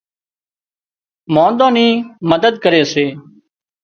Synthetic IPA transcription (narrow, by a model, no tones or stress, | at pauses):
mõːnd̪õːnĩːməd̪əd̪̚kəɾeːseː